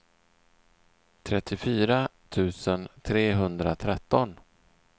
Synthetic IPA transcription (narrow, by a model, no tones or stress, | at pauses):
t̪ʰɾɛt̪ʰːɪfyːɾat̪ʰʉ̟ːsənt̪ʰɾeːɦɵnd̪ɾat̪ʰɾɛt̪ːɔn